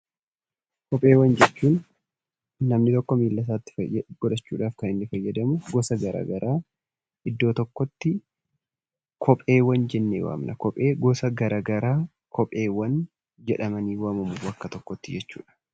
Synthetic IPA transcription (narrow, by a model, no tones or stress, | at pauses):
kɔpʼe̞ːwɐnd͡ʒɛt͡ʃːuːnː | ɐmnɪt̪ɔkːɔmiːlːɐs̬aːt̪ːɪ̥fɐjɐɡ̥ɔd̪ɐt͡ʃːuːᶑaːfkɐnɪnːɪfɐjːɐd̪ɐmʊɡɔsɐɡɐɾa̰ːɡɐɾʔaː | ʔɪd̪ːo̞ːt̪ɔkːɔt̪ːɪ | kʰɔpʼe̞ːwɐnd͡ʒɛnːḛːwa̰ːmnɐ̰kɔpʼeːɡɔsɐɡɐɾʔaːɡɐɾaː | kʰɔpʼeːwɐn | d͡ʒɛᶑɐmɐniːwɐmɐmuɐkːɐt̪ɔkːɔt̪ːɪd͡ʒɛt͡ʃːṵːᶑɐ̥